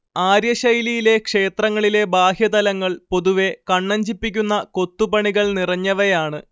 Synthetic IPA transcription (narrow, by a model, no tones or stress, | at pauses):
aːɾjɐɕɐjlijile̞kʂe̞ːt̪rɐŋːɐɭile̞baːɦjɐd̪ɐlɐŋːɐɭpo̞ðuʋe̞kɐɳːɐɲd͡ʑipːikʲːunːɐko̞t̪ːupɐɳiɣɐɭnirɐɲːɐʋɐjaːɳɨ